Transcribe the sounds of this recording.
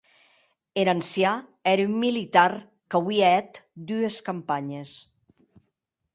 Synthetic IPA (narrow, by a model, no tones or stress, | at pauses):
eɾansjaɛɾymːilit̪ar | kawiaɛt̪d̪yeskampaɲes